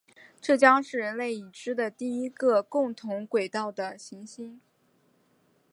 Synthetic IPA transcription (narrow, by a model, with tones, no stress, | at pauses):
ʈ͡ʂɤ˥˩t͡ɕjɑ˥ŋʂɻ̩˥˩ɻə˧˥nle˥˩ɪi˨˩ʈ͡ʂɻ̩˥d̪ə˨t̪i˥˩i˥ɡə˧kʊ˥˩ŋt̪ʰʊ˧˥ŋkwe˨˩ɪt̪ɑ˥˩ʊd̪ə˩ɕi˧˥ŋɕi˥ŋ